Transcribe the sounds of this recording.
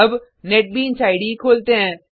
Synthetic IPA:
ɐb | nɛːʈ̚bʱiɪ̃nsaːɪɖikʰoːlt̪eɦɛ̃ː

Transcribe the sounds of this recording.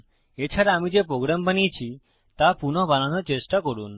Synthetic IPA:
et͡ʃʰaɾaamid͡ʒepɾoɡɾambanit͡ʃʰi | t̪apunɔbananɔt͡ʃesʈakɔɽun

